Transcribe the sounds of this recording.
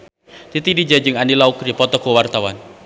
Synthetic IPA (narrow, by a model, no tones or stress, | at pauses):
t̪it̪idid͡ʒad͡ʒɨŋanilaukɾipɔt̪ɔkɔwart̪awan